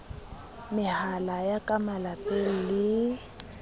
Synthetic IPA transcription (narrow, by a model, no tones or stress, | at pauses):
mɪhalajakʼamalapʼel̩lɪ